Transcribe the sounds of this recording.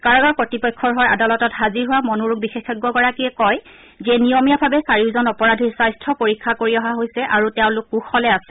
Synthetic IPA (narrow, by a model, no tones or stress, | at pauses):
kaɹɔɡaɹpɔtipɔjkʰːɔɹɦaɹʔa̰dalɔtɔtɦaziɹɦuwamɔnuɹuɡ̚bixexːɛɡɔɡɔɹakiɛkɔj | zɛnijɔmijabʱabɛsaɹiʊzɔnɔpɔɹadʱisajstʰɔpoɹikʰːakoɹiɔɦaɦojsɛʔaɹutɛʊ̃lʊkːuxɔlɛasɛ̥